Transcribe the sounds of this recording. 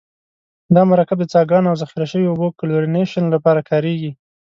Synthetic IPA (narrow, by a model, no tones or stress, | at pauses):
d̪ɑmaɾɑkɪb̚d̪ət͡sɑɡɑnawzaxiɾaʃəwiobokaloɾineʃanlapɑɾakʰɑɾeɡi